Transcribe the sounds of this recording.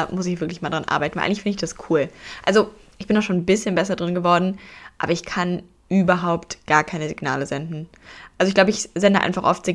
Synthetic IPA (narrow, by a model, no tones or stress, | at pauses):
mʊsɪçv̥ɪɐklɪçmaːldʁanʔa̰ɐbaɪt̚n̩a̰ʔa̰ŋlɪçfɪndəɪçd̥askʰuːlʔalzo | ʔɪçb̥ɪndaʃoːnbɪsçənbɛsɐdʁɪnɡəvɔɐdn̩ʔa̰ːbɐɪçkʰan | ʔyːbɐɦaʊptɡ̥aːɐkʰaɪnəzɪɡna̰ːləzɛndn̩ | ʔalzoɪçɡ̥laʊbəɪçz̥ɛndəʔa̰ɪnfaχʔɔ̰ftz̥ɪɡ